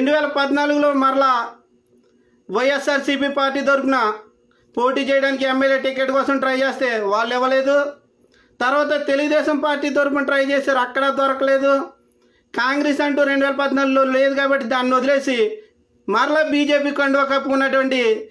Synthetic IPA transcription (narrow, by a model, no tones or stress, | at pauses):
ɾeɳɖuʋɛːlɐpɐd̪naːluɡulo̞ːmɐɾɐla | ʋɐjesːaːɾsipiːpaːɾʈːiːt̪̬oɾupunɐ | po̞ːʈiːt͡ʃɛːjɐɽaːnikiɛmːeljeːʈikeʈːkɔːsɐmʈɾɐjɐd͡ʒeːst̪e̞ːʋaːɭːiʋːɐle̞ːd̪u | t̪ɐɾʋaːt̪̬ɐt̪e̞luɡud̪ɛːʃɐmpaːɾʈːiːt̪̬oɾup̬unɐʈɾɐjd͡ʒeːseːɾɐkːɐɽɐːd̪ʋɐɾɐkɐle̞ːd̪u | kaːŋɡɾesɐɳʈuːɾe̞ɳɖuʋɛːlɐpɐd̪naːluɡloːle̞ːd̪ukaːbɐʈːid̪aːnːniod̪ile̞ːsi | mɐɾɐɭabiːd͡ʒe̞ːpiːkɐɳɖɐʋɐkɐpːuunːɐʈɐʋɐɳʈi